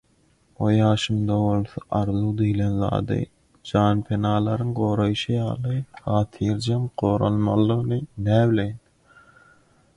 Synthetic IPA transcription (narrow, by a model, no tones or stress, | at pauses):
ojɑːʃɯmd̪ɑβo̞lˠθɑʔɑɾðud̪ijlenðɑ̰ːd̪ɯ̰ | d͡ʒɑːnpʰenɑːlˠɑɾɯŋɢo̞ːɾojʃɯjɑ̰ːlˠɯhɑːt̪ʰiɾd͡ʒɑmqoːɾɑ̰lˠmɑ̰lˠːɯʁnɯnæːblejn